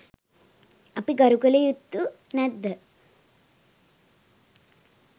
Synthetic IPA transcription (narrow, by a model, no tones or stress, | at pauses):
ɐpiɡɐɾukɐlejut̪ːunɛd̪ːə